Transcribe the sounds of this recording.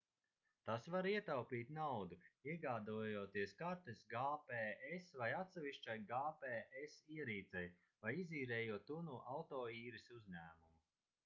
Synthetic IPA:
t̪asvaɾiɛt̪awpiːt̪ʲnawd̪uiɛɡaːd̪ujuɔt̪iɛskaɾt̪esɡaːpɛesvajat̪sɛviʃt͡ʃajɡaːpeɛsiɛɾiːt̪sɛj | vajiziːɾɛːjuɔt̪ːunuːʔawt̪ɔːiːɾisuzʲɲæːmumu

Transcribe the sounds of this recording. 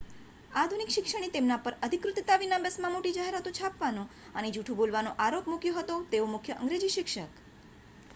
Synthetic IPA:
ad̪ʱunikʃɪkʃəɽ̃it̪emnapəɾəd̪ʱikɾʊt̪ːət̪aʋinabəsmãmoʈid͡ʒaɦeɾat̪õt͡ʃʰapʋanũ | əned͡ʒuʈʰũbolʋanoʔaɾopmukjoɦət̪ot̪eomʊkʰjəʔəŋɡɾed͡ʒiʃɪkʃək

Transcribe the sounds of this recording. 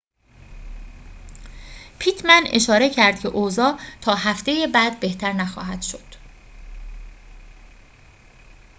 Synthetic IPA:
pʰit̪ʰmæne̞ʃɒːɾe̞cʰæɾd̪̥cʰe̞ʔoːzɒːt̪ʰɒːɦæft̪e̞jebæːd̪̚be̞ht̪ʰæɾnæxɒ̰ːɦæd̪̥ʃo̞d̪̥

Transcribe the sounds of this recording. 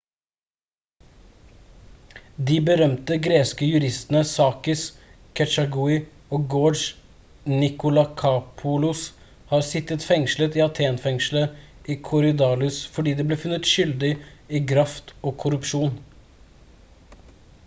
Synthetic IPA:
d̪iːbəɾœmt̪əɡɾeːskəjʉɾɪst̪ənəsɑːkɪs | kʰɛt͡ʃɑɡuːɪ | oːɡoːʃ | nɪkʊlɑkʰɑpʰʊlʊs | hɑːɾsɪt̪ət̪fɛŋʃlət̪iːɑt̪ʰeːnfɛŋʃl̩əʔiːkʰʊɾʏd̪ɑːlʉsfɔɖiːd̪ɛːbleːfʉnːət̪ʃʏld̪ɪiːkʰɾɑft̪oːkʰʊɾʉpʃuːn

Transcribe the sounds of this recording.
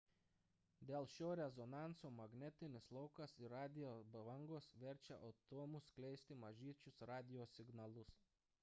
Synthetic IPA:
d̪ʲeːlˠʃʲoːɾʲɛzɔnɑˑntsoːmɐɡnʲɛt̪ʲɪnʲɪslˠɒʊkɐsiɾɑːd̪ʲɪjoːbɐʋɐŋɡoːsʋʲɛɾʲt͡ʃʲɛʔɐʊt̪oːmʊsklʲɛɪsʲt̪ʲɪmɐʒʲiːɛt͡ʃʲʊsɾɑːd̪ʲɪjoːsʲɪɡnɐlˠʊs

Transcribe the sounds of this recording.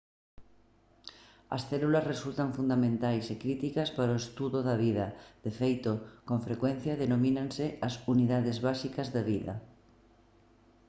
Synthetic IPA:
ɐ̰sθelulazresult̪aɱfund̪amẽnt̪ajsekɾit̪ikaspaɾoest̪uðoðaβ̞iðað̥efejt̪okoɱfɾekwẽn̟θjaðenomĩnanseasuniðaðezβasikazðaβ̞iða̰

